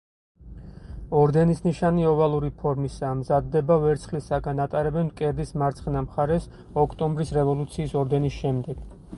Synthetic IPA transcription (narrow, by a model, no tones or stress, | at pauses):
ɔɾd̪ɛnisniʃaniɔvalˠuɾipʰɔɾmisaːmzad̪ːɛbavɛɾt̪sʰχlisaɡanat̪ʼaɾɛbɛnkʼɛɾd̪ismaɾt̪sʰχnamχaɾɛs | ɔkʰt̪ʼɔmbɾisɾɛvɔlˠut̪sʰiːsɔɾd̪ɛnisʃɛmd̪ɛɡ̥